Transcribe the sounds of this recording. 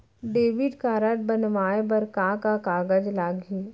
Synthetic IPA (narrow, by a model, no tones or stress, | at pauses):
ɖeːʋɪɖkaːɾəʈ̪̚bɐnʋaːebɐɾkãkakaːɡəd͡ʒlaːɡiː